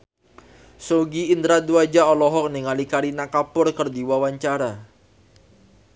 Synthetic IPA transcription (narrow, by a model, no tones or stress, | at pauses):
soɡiːnd̪ɾad̪uad͡ʒaɔlɔɦɔk̚niŋalikaɾinakapʊrkərdiwawaɲt͡ʃaɾa